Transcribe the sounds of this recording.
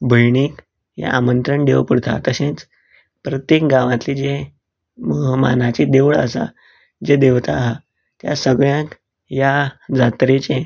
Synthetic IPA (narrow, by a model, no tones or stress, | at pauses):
bʱəjɳiːk | ja̰ʔamənt̪ɾəɳɖeʋpəɽt̪ʰa̰t̪əɕẽt͡s | pɾət̪jekɡãʋãt̪lid͡ʑe | məɦma̰nat͡ɕid̪eʋɭə̰sa̰ | d͡zed̪eʋt̪aɦa | t̪jasəɡɭjãk | jad͡zat̪ɾet͡ɕẽ